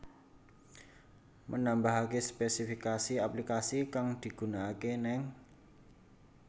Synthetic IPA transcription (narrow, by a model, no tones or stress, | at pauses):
mənambaɦakespesifikasiaplikasikaŋd̪̥i̤ɡ̥ṳnaːkenɛŋ